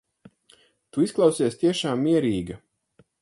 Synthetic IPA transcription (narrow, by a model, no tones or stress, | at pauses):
t̪uisklˠawsiɛst̪iɛʃaːmːiɛɾiːɡɐ